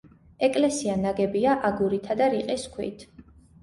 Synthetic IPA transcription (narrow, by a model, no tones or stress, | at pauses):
ɛkʼlɛsianaɡɛbiaʔaɡuɾit̪ʰad̪aɾiqʼiskʰwḭt̪ʰ